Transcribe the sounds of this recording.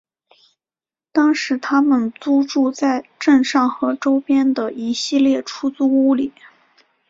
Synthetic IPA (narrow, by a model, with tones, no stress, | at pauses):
t̪ɑ˥ŋʂɻ̩˧˥t̪ʰa˥mə˨nt͡su˥ʈ͡ʂu˥˧t͡sa˥˧ɪʈ͡ʂə˥˧nʂɑ˥˩ŋxɤ˧˥ʈ͡ʂo˥ʊpjɛ˥nd̪ə˨ʔi˧˥ɕi˥˧ljɛ˥˩ʈ͡ʂʰu˥t͡su˥u˥li˨˩˦